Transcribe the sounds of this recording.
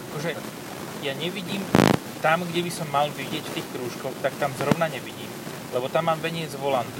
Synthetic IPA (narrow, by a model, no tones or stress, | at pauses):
akɔʒɛ | jaɲɛʋiɟiːm | t̪amɡɟɛbisɔmːalʋiɟɪɛcft̪iːxkɾuːʃkɔxt̪akt̪amzɾɔʊnaɲɛʋiɟiːm | lɛbɔt̪amːaːmʋɛɲɪɛd͡zʋɔlan